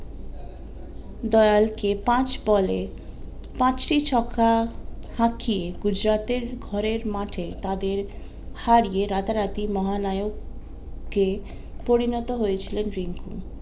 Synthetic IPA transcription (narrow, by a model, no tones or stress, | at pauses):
d̪ɔealkepãt͡ɕbɔle | pãt͡ɕʈit͡ɕɔkʰahãkʰieɡud͡ʑɾat̪eɾɡʱɔɾeɾmaʈʰet̪ad̪eɾ | haɾijeɾat̪aɾat̪imɔɦanajoɡ | kːe | poɾinɔt̪oɦojet͡ɕʰilenɾiŋku